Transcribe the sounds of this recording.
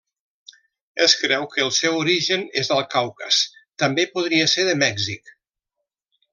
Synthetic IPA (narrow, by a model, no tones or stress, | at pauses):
əskɾɛwkəːlˠsɛwuɾiʒənezðəlˠkawkə̰st̪əmbepuð̞ɾiəseɾðəmɛɡzik